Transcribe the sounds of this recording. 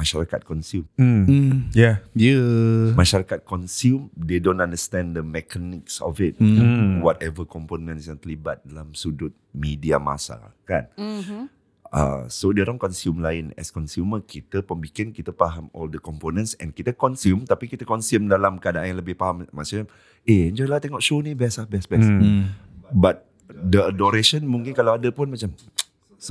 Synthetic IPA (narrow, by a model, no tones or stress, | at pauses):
maʃaɾakat̪̚kɔnsjum̩ | jajəmãʃaɾakat̪̚kɔnsjumdedõntãndəst̪ɛ̃ndəmɛkanɪksɔ̰fɪt̪̚wɔt̪ɛvəkɔmponə̃nsjãŋt̪əlibat̪̚dalamsudʊt̪̚midia̰ma̰sa̰a̰kan̚ | a̰sodiɔɾaŋkɔnsjumlaɪnɛ̰skɔnsjuməkit̪əpəmbikɪnkit̪əpaɦamɔldəkɔmponə̃nsɛ̰̃nkit̪əkɔnsumt̪apikit̪əkɔnsumdalamkəadãŋjãŋləbɪhpaɦammasam | eɛnd͡ʒɔilaht̪ɛŋɔʔʃonĩbɛslabɛsbɛs | bat̪̚ | dəədɔɾeʃənmũŋkɪnkalawadəpʊnmat͡ʃam | so